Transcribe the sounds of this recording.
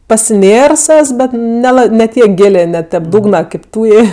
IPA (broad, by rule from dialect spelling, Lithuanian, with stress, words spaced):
pɐsʲɪˈnʲeːrs ˈɛs ˈbʲɛt nʲɛˈlˠɐ nʲɛ ˈtʲiɛk ˈɡʲɪlʲeː nʲɛ tʲɛp ˈduːɡnɐ kɐɪp ˈtuːjeː